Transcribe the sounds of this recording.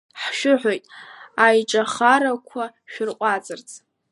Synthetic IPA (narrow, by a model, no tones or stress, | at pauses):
ħʃᶣʊħʷᶣojtʼajʈ͡ʂʼaχaɾakʷʰa | ʃᶣʊrqʷʼat͡sʼɨrt͡sʼ